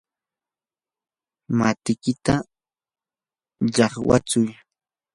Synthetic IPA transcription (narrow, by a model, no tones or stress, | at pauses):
mat̪ɪkɪt̪a | ʎɑχwa̰t͡sʊj